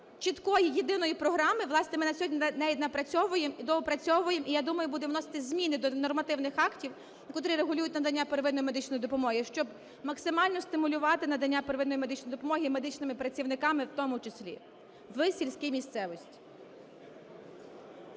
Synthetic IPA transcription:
t͡ʃɪt̪kɔjijed̪ɪnɔjipɾɔɦɾɑmɪʋlˠɑsnɛmɪnɐsʲɔdʲnnɛʋʲid̪ʲnɐpɾɐt͡sʲɔʋʊjemid̪ɔɔpɾɐt͡sʲɔʋʊjemʔijad̪umɐjʊbud̪ɛwnɔsɪ̥t̪ɪzʲmʲinɪd̪ɔnɔrmɐt̪ɪwnɪxɑktʲiw | nɐkɔt̪ɾiɾeɦʊlʲujʊtʲnɐd̪ɐnʲːapeɾeʋɪd̪nɔjimed̪ɪt͡ʃnɔjid̪ɔpɔmɔɦiʃt͡ʃɔb | mɐksɪmɑlʲnɔst̪ɪmʊlʲʊʋɑt̪ɪnɐd̪ɐnʲːapeɾʋɪd̪nɔjme̞d̪ɪt͡ʃnɔjd̪ɔpɔmɔɦʲimed̪ɪt͡ʃnɪmɪpɾɐt͡sʲiwnɪkɑmɪwt̪ɔmʊt͡ʃesʲlʲḭ | ʋɪsʲilʲsʲkʲijmʲist̪sɛʋɔsʲtʲi̥

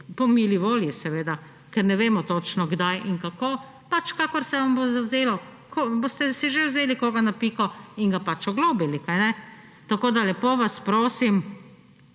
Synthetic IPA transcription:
pɔmiːliʋoːljisɛʋeːd̪a | kɛɾnɛʋeːmɔt̪ot͡ʃnɔɡd̪ajiŋkakoː | pat͡ʃkaːkɔɾsɛʋambozazd̪eːlɔkʰoboːst̪ɛsɛʒewzeːlikoːɡanapiːkɔiŋɡapat͡ʃɔɡloːbilikajnɛ | t̪akoːd̪alɛpoʋaspɾoːsim

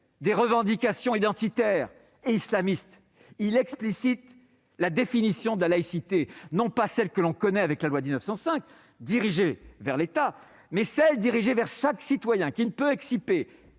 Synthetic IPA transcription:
d̪eʁəvɑ̃d̪ikasjɔ̃id̪ɑ̃t̪it̪ɛːʁ | eislamist̪ | ilɛksplisit̪ | lad̪efinisjɔ̃d̪əlalaisit̪enɔ̃pasɛlkəlɔ̃kɔnɛavɛklalwad̪iznəfsɑ̃sɛ̃k | d̪iʁiʒevɛʁlet̪a | mɛsɛld̪iʁiʒevɛʁʃaksit̪wajɛ̃kinəpøɛksipe

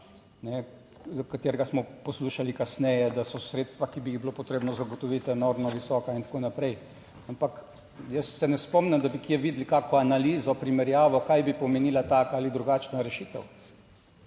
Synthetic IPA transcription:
nɛ | zkat̪eːɾɛɡasmɔpɔsluːʃalikasnɛjɛd̪asɔsɾeːt̪st̪ʋakibijiɣbilopɔt̪ɾeːbnɔzaɡɔt̪ɔʋiːt̪ɛnoɾmnɔʋisɔːkaint̪ḁkonapɾɛj | ampak | jəsːɛnɛspɔmnɛmd̪abikjɛʋiːd̪likaːkɔanaliːzɔpɾimɛɾjaːʋɔkajbipɔmeniːlat̪aːkaalid̪ɾuɡaːt͡ʃnaɾɛʃiːt̪ɛ̰w

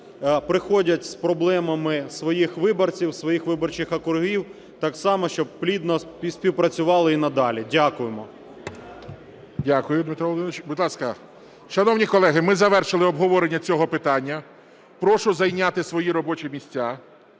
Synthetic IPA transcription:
pɾɪxɔdʲɐtʲspɾɔblˠɛmɐmɪsʋɔjixʋɪbɔrt͡sʲiwsʋɔjixʋɪbɔrt͡ʃɪxɐkʊrɦiw | t̪ɑksɑmɔʃt͡ʃɔb̚plʲid̪nɔsʲpʲiwpɾɐt͡sʲʊʋɑlˠɪinɐd̪ɑlʲidʲakʊjemɔ | dʲakʊjʊd̪mɪt̪ɾɔlˠd̪ɪnʋɪt͡ʃbud̪lˠɑskɐ | ʃɐnɔwnʲikɔlˠɛɦɪmɪzɐʋɛrʃɪlˠɪɔbɦɔʋɔɾenʲːɐt͡sʲɔɦɔpɪt̪ɑnʲːɐ | pɾɔʃʊzɐjnʲat̪ɪsʋɔjiɾɔbɔt͡ʃimʲisʲtʲːa

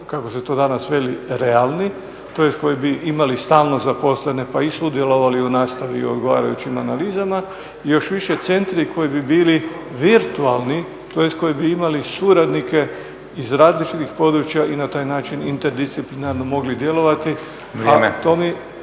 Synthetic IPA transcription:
kakoset̪o̞ːd̪anasʋe̞liɾe̞alˠni | t̪o̞jest̪ko̞jibiʔimalist̪aːlno̞zapo̞slene̞paisud̪je̞lo̞ʋaliunaːst̪aʋiod̪ɡo̞ʋa̰ːɾa̰jṵt͡ɕimanaliːzama | ijo̞ʃʋiʃe̞t̪se̞nt̪ɾikʰo̞jibibiːli | ʋiɾt̪ualˠni | t̪ojest̪̚ko̞jibiimalisuɾad̪nike̞ | izɾaːzlit͡ʃit̪ixpo̞d̪ɾut͡ɕjaʔinat̪aːjnaːt͡ʃinint̪eɾd̪ist̪siplinaɾno̞mo̞ɡlid̪je̞lo̞ʋat̪i | amet̪o̞mi

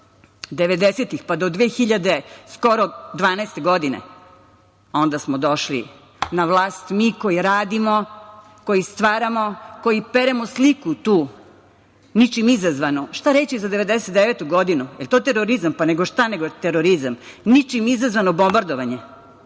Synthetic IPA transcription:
d̪eʋe̞d̪eset̪ixpad̪od̪ʋeːxiʎad̪esko̞ɾod̪ʋaːnast̪e̞ɡod̪inḛ | o̞nd̪asmod̪o̞ʃlḭ | naʋlˠaːst̪mikojiɾaːd̪imo | ko̞jist̪ʋaːɾamo̞kojipeɾemoslikut̪uː | nit͡ʃimizazʋanoʃt̪aɾet͡ɕizad̪eʋe̞d̪eset̪̚d̪eʋet̪uɡod̪inujelt̪ot̪eɾoɾizampaneɡoʃt̪aneɡot̪eɾoɾizamnit͡ʃimizazʋanobo̞mbaɾd̪oʋaɲe

